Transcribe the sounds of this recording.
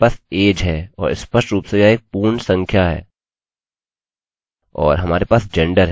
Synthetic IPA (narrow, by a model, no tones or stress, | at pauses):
aːseːd͡ʒɦɛːɔːɾɪ̰spəsʈɾuːpsejaeːk̚puːɾɳsə̃ŋkʰjaɦɛ̰ː | ɔ̰ːɾɦɐmaːɾepaːsd͡ʒɛ̃ɳɖəɾɦ